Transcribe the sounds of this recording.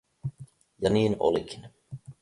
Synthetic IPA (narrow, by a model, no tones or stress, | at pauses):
janiːno̰likin